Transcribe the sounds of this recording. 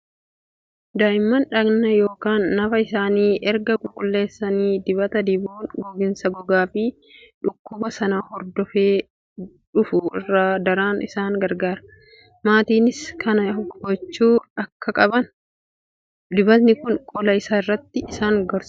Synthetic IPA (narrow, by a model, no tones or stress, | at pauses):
d̪aːʔɪmːɐnᶑɐɡnɐjo̞ːkaːnːɐfɐɪsaːniːʔɛɾɡɐkʼʊlkʼʊlːe̞ːsːɐniːd̪ɪbɐt̪ɐd̪ɪbuːnɡɔɡɪnsɐɡɔɡaːfɪ | ᶑʊkːʊbɐsɐnaːhɔɾd̪ɔfeː | ᶑʊfʊɪ̰rːaːd̪ɐɾaːnʔɪsaːŋɡɐɾɡaːɾɐ̥ | maːt̪iːnɪskʰɐnɐɡɔt͡ʃːuːɐkʰːɐkʼɐbɐn | d̪ɪbɐt̪nɪkʊŋkʼɔlɐɪsaːɪrːɐt̪ːɪːsaːŋɡɐɾs